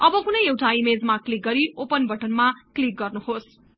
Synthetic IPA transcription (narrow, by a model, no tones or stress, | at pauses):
ʌbʌkunʌjewʈʰaimed͡zmaklik̚ɡʌɾiʔopʌnbʱʌʈʌnmaklik̚ɡʌrnuhos